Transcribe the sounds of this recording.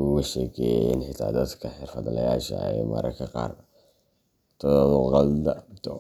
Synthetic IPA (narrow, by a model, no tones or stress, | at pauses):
ɣʊʃɛkʰɛjɛjɪ̰nħɪt̪ʰa̰ːd̪ɐd̪kʰɐħɪrfɐd̪lɐjaːʃɐ̰ɛ̰mɐ̰ɾʔɐkʰɐqɑ̰ːrbɐ | t̪ʰɐðɔðɔqɑld̪ɐt̪ɔ